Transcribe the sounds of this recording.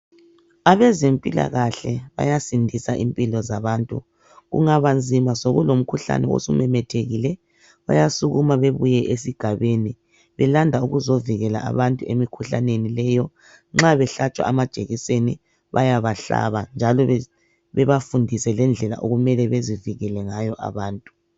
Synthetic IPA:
aβɛzempʼila̰ɣaɬɛβa̰jasindʱisaʔimpʼilɔzaβaːntʼṵ | ɣṵŋaβand͡zʱimasoɣulom̩kʰuɬa̰nɛo̰sumɛmɛtʰeɣilɛ | βa̰jasuɣumaβeβujɛʔesiɡ̥ʱaβeni | βɛlandʱauɣuzoviɣɛla̰ʔa̰βantʼuemikʰuɬa̰nenilɛjɔ | ŋ͡ǁaβɛɬat͡ʃʼwa̰amad̥ʒ̥ʱeɣiseni | βa̰jaβaɬa̰βand͡ʒʱalɔ | βɛβafundʱisɛlɛnd͡ɮʱɛla̰ʔo̰ɣumɛlɛβeziviɣɛlɛŋajɔʔa̰βaːntʼu̥

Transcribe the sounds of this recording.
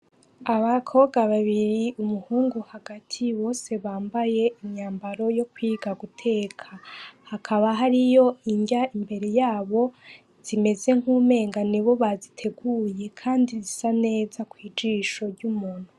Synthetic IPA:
aβakʰo̞ːβɡaβaβiɾiumuhuːŋɡuhaɡatʰiβo̞ːse̞βaːmbaje̞imɲaːmbaɾo̞jo̞kwiːɡaɡutʰe̞ːkʰahakʰaβaɦaɾijo̞iɲɟaimbe̞ɾe̞jaːβo̞ | z̥ime̞ze̞ŋ̥hume̞ːŋɡaniβo̞βazitʰe̞ɡuːje̞kʰaːndizisane̞ːzakwiːd͡ʒiːʃo̞ɾɟumuːn̥hu

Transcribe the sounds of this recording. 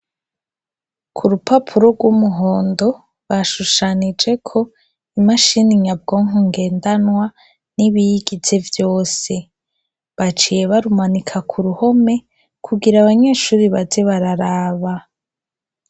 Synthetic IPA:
kʰuɾupʰapʰuɾo̞ɡɡwumuɦo̞ːndo̞ | βaʃuʃanid͡ʒe̞kʰo̞ | imaʃiniɲab̚ɡo̞ːŋɦuŋɡe̞ːndanwa | niβijiɡit͡se̞vjo̞ːse̞ | βat͡ʃije̞βaɾumanikʰakʰuɾuho̞me̞ | kʰuɡiɾaβaɲe̞ːʃuːɾiβazeβaɾaɾaːβa

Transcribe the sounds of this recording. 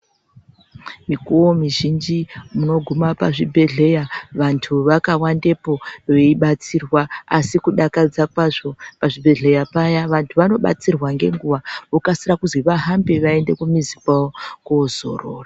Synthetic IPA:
mikuwomiʒind͡ʒimuno̞ɡʱumapaʐibʱe̞ɮe̞jaʋantʰuʋakawande̞po̞ʋeiɓat͡sirwaasikuɗakad͡zakwaʐo̞paʐibʱe̞ɮe̞japajaʋantʰuʋano̞ɓa̰t͡sirwaŋɡe̞̰ŋɡuʋaokasirakuzwiʋaɦambeʋae̞nde̞kumizipaokuzo̞̰ro̰ːra

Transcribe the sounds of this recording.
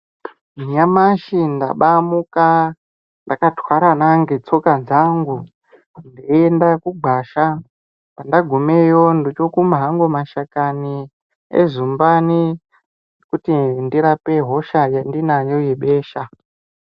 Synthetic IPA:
miɲamaʃinda̰ɓamuka | ndakatwaɾanaŋɡet͡so̞kad͡zaŋɡu | ndiendakuɡʱwaʃa | pandaɡʱumejo̞ndot͡ʃokumaɦaŋɡomaʃakani | ḛzumbani | ekutindiɾapeɦo̞ʃajendinajo̞jeɓe̞ːʃa

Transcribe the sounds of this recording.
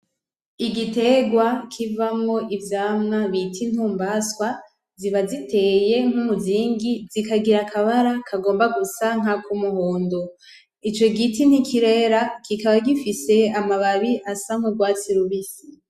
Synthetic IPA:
iɡite̞ɡwakʰivamŋo̞ʔivjaːmnaβitʰin̥huːmbaskwa | ziβazite̞ːje̞ŋ̥humuziːŋɡizikaɡiɾakʰaβaɾakʰaɡo̞ːmbaɡusaŋ̥akumuɦoːndo | it͡ʃo̞ɡitin̥hikʰiɾe̞ɾakikaβaɡifise̞amaβaβiʔasaŋ̥uɡwaːt͡siɾuβisi

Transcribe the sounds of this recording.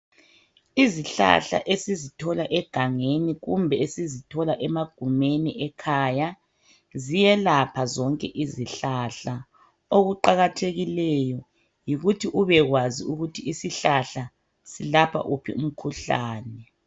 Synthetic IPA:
iziɬa̰ɬa̰ʔesizitʰɔlaʔɛɡ̥ʱaŋeniɣumbʱɛesizitʰɔlaʔɛmaɡ̥ʱumeniʔɛkʰaːja | zijɛlapʰazɔŋkʼɛʔiziɬaɬa | oɣuǃaɣatʰeɣilɛjɔ | jiɣutʰiʔuβɛɣwaziuɣutʰiisiɬaɬa | silapʰa̰ʔupʰḭum̩kʰuɬa̰ːnɛ

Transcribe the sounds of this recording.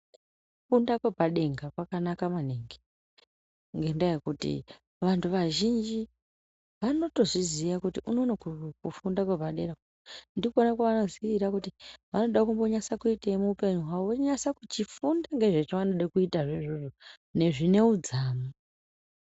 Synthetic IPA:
ufundakwe̞paɗe̞ŋɡakwakanakamaneŋɡe | ŋɡe̞ndajekutḭ | ʋantʰuʋaʒind͡ʒi | ʋano̞to̞zizijakutiʔuno̞nakukufundakwe̞bʱaɗe̞ɡa | ndikuonakaʋano̞ziiʋiɾakutiʋano̞ɗakumbo̞ɲasakuiteimuupe̞ɲuɦwaʋo̞ɲasakut͡ʃifundaŋɡe̞ʐet͡ʃoʋano̞ɗakuitaʐeʐuʐo | ne̞ʐine̞ud͡zaːmu

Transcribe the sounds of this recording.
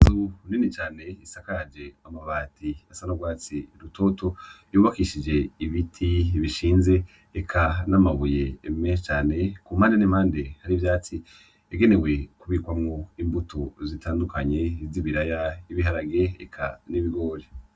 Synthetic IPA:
zuninit͡ʃaːne̞isakaɾad͡ʒe̞amaβaːtiasanoɡwaːt͡siɾuto̞to̞ | juːβakiʃid͡ʒe̞iβitʰiβiʃiːnze̞ː | kʰanamaβuje̞ːmet͡ʃaːne̞kumhaːndeniːmhaːndehaɾivjaːt͡si | eɡe̞ne̞we̞kuβikwamŋoimbutʰozitʰaːndukʰaɲe̞viβiɾajaiβiɦaɾaɡe̞ḛkʰaniβiɡo̞ːɾe

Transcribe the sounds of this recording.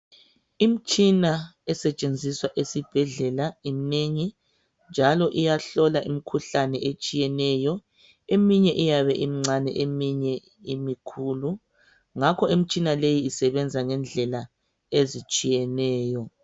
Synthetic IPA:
imit͡ʃʼinaɛsɛt͡ʃʼend͡zʱiswaʔesib̥ʱɛɮɛlaimineŋi | nd͡ʒʱalɔʔijaɬɔlaʔimikʰuɬanɛʔet͡ʃʼijɛnɛjɔ | emiɲɛʔijaβɛʔimiŋ͡ǀanɛ̰ʔemiɲɛ | imikʰuːlu | ŋakʰɔimit͡ʃʼinalejiːsɛβɛnd͡zʱaŋɛnd͡ɮʱɛla | ezit͡ʃʼijɛnɛːjɔ

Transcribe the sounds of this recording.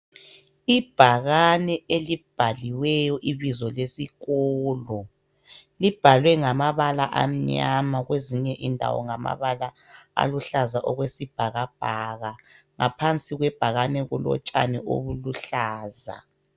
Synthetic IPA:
ib̥ʱaɣanɛelib̥ʱaliwɛjɔʔiβizɔlesiɣɔːlɔ | lib̥ʱalwɛŋamaβalaʔam̩ɲamaɣweziɲɛʔindʱa̰wɔ̰ŋama̰βala | a̰luɬazaʔɔɣwesib̥ʱaɣab̥ʱaɣa | ŋapʰant͡sʼiɣwɛb̥ʱaɣanɛɣulɔ̰t͡ʃʼa̰nɛʔo̰βuluɬaːza̰

